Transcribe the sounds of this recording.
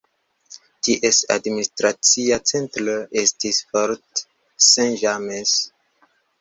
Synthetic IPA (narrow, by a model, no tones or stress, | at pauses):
tiʔesa̰dministɾat͡siat͡sẽntləʔestisfɔɾt | sɛ̃nʒames